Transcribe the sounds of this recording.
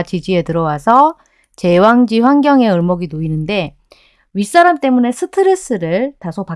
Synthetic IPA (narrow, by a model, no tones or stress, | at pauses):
t͡ɕid͡ʑie̞tɯɾʌwasʰʌ | t͡ɕe̞waŋd͡ʑiɸwaŋɡjʌŋe̞ɯɭmʌɡinoinɯnde̞ | ɥis͈aɾamt͈e̞mune̞sʰɯtʰɯɾes͈ʰɯɾɯɭtasʰopa